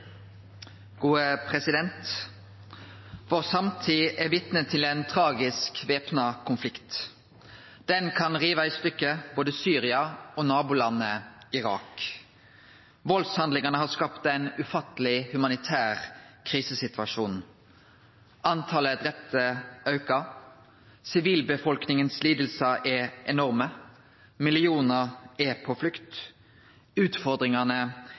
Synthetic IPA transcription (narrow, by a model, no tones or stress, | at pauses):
ɡ̥uːəpʰʁɛsɪd̪ɛnt̪ | ʋoːʁsɑmt̪ʰiːʔɛʋɪt̪nət̪ʰːɪlɛnt̪ʰʁɑːɡɪskʋeːpnɑkʰʊnflɪkt̪ | d̪̥ɛnkʰɑnʁiːʋɑɪst̪ʏkːəboːd̪əsyːʁɪɑoːnɑːbʊlɑnːəɪʁɑ̰ːk | ʋɔlshɑnd̪lɪŋɑnəhɑskɑpt̪æɪnʉfɑt̪əlɪhʉmɑnɪt̪ʰæːʁkʰʁiːsəsɪt̪ʋɑʂuːn | ʔɑnt̪ʰɑːləd̪ʁɛp̚t̪ʰəɑʉkɑ | sɪʋiːlbəfɔlknɪŋənsliːd̪əl̩səʔɛʔɛnɔʁmə | mɪlɪuːnəʁɛpʰɔflʉkt̪ | ʉːt̪fɔʁd̪ʁɪŋɑnə